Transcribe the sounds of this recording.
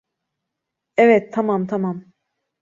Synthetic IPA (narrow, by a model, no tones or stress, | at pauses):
ɛvɛt̪ʰːamamt̪ʰamam